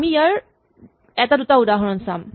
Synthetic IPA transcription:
miijaɹ | ɛtadutaudaɦɔɹɔnsam

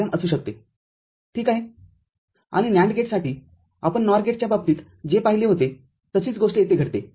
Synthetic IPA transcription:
amʔəsuːɕ̬ək̚t̪e | ʈʰiːkaɦe | a̰ɽ̃injãɳɖɡeʈsaʈiː | apəɳnɔɾɡeʈ̚t͡ɕjababt̪iːt̪ | d͡ʑepaɦileɦot̪e | t̪əsiːt͡sɡoʂʈjet̪eɡʱəɽt̪e

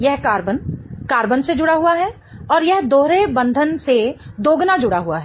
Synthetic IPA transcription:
jɛɦkaːɾbənkaːɾbənsed͡ʒʊɽaɦuaɦɛ | ɔːɾjɛɦd̪oːɾebɐ̃nd̪ʱənsed̪oːɡnad͡ʒʊɽaɦuaɦɛː

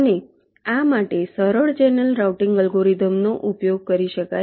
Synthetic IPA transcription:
əne | amaʈesəɾəɭt͡ʃenəlɾawʈĩŋɡəlɡoɾid̪ʱəmnoʔupjoɡ̚kəɾiʃəka

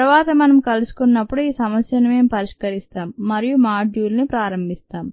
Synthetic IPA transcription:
ɐɾʋaːt̪ɐmɐnɐmkɐlusu̥kunːɐpːuɽuiːsɐmɐsjɐnɐme̞ːmupɐɾiʂkɐɾist̪aːmːɐɾijumaːd͡ʒjuːlnipɾaːɾɐmbʱist̪aːm

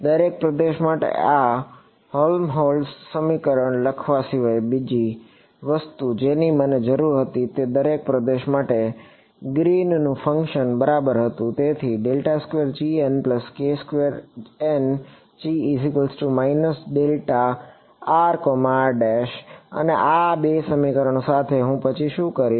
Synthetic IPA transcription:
d̪əɾek̚pɾəd̪eʃmaʈḛa | holmɦolsːəmikəɾəɳləkʰʋaʃiʋəjbid͡ʒi | ʋəst̪ud͡ʒeniməned͡ʒəɾuɾɦət̪it̪ed̪əɾek̚pɾəd̪eʃmaʈe | ɡɾinnũfʰəŋkʃənbəɾabəɾɦət̪ũt̪et̪ʰiɖelʈaskʋeɾd͡ʒienpləskeskʋeɾen | t͡ʃiːsikəlsʈumainəsɖelʈaː | ɾkomaɾɖɛʃə̰neʔabesəmikəɾəɳ̃osat̪ʰeɦũpət͡ʃʰiʃũkəɾi

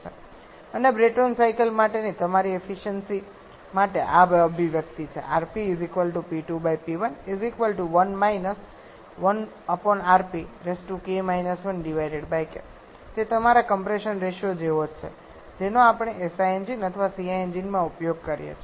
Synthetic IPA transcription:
t͡ʃʰe | ənebɾeʈonsaikəlmaʈenit̪əmaɾiefiʃənsi | maʈeʔabəbʱiʋjəkt̪it͡ʃʰḛʔaɾpiːzikʋəlʈupiʈubajpiʋənizikʋəlʈuʋənmainəs | ʋən | əpɔnaɾpiɾesʈukemajnəsʋənɖiʋajɖeɽbajkḛ | t̪et̪əmaɾakəmpɾeʃənɾeʃjod͡ʒeʋot͡ʃʰḛ | d͡ʒenoapɳ̃eʔesaend͡ʒinət̪ʰəʋasiaend͡ʒinmãupjoɡ̚kəɾijḛt͡ʃʰe

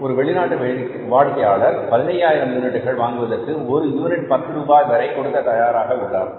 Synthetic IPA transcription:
ɔɾɯʋɛɭɪnaːʈːɯ | ʋaːɭkɐjaːɭɐɾpɐðɪnɐjaːjɪɾɐmd̪ɯnɪɽɯɣɐɭʋaːŋɡɯʋɐðɐrkɯɔɾɯɪɾʋɐnɪʈpɐt̪ːɯɾuːbaːjʋɐɾɐɪkːɔɽɯt̪ːɐt̪ɐjaːɾaːɣɐʊɭːaːɾ

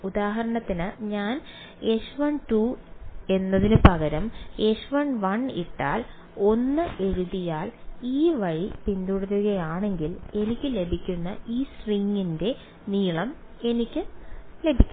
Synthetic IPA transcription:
ud̪aːɦɐɾɐɳɐt̪ːinɨɲaːn | e̞ʂʋɐɳʈue̞nːɐðinɨpɐɣɐɾɐme̞ʂuʋɐɳʋɐɳiʈːaːl | o̞nːɨe̞ɻuðijaːliːʋɐɻipind̪uɽɐɾuɣɐjaːɳe̞ŋɡile̞nikʲːɨle̞bʱikʲːunːɐ̰iːsriŋːinde̞ | niːɭɐme̞nikʲːɨle̞bʱikʲː

